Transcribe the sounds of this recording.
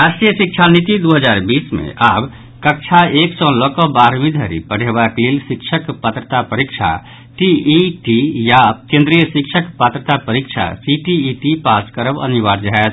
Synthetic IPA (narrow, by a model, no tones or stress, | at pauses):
ɾasʈɾijəsik̚t͡ʃʰanit̪id̪uɦəd͡ʒaɾbismḛʔab | kək̚t͡ʃʰaeksɔ̃lɔkɔbaɾmĩd̪ʱəɾḭpəɽ̤ebaklelsikt͡ʃʰəkpət̪ɾət̪apəɾikt͡ʃʰa̰ | ʈiiʈijakẽnd̪ɾijəsikt͡ʃʰəkpət̪ɾət̪apəɾikt͡ʃʰa̰siʈiːʈipaskəɾəbə̰niʋaɾd͡ʒaɦɛt̪ʰ